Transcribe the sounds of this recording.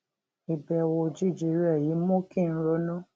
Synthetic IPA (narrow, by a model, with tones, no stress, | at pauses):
i˨bɛ˨wo˧d͡ʒi˦˨d͡ʒi˨˦ɾɛ˦˨ji˨˦mõ˦ki˦˨n̩˦ɾo˧˦nũ˦